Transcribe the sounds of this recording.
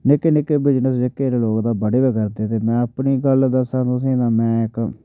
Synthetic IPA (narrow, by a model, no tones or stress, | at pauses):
nɪkːeːnɪkːeːbɪd͡ʒnəsd͡ʒɪkːeːɾeːloːkd̪aːbəɽeːbeːkəɾd̪eːt̪eːmɛ̃ːəpniːɡəld̪əsãːt̪ʊs̬ĩːd̪ãːmɛ̃ːɪk